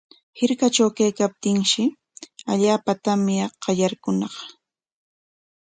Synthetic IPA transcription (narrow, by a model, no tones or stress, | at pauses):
hɪɾkat͡ʃawkajkap̚t̪ɪŋʃɪ | aʎaːpat̪amɪqɑʎaɾkʊnɑχ